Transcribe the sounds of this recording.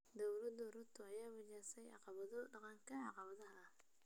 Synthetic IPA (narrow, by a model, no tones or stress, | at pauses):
d̪ɔwlɐd̪ʊɾʊt̪ʰʊɐjaːwɐd͡ʒɛːsɛjɑ̰qɑβɐðɔɖɑqɑŋkʰɐʕɑqɑβɐðɐɦɐɐ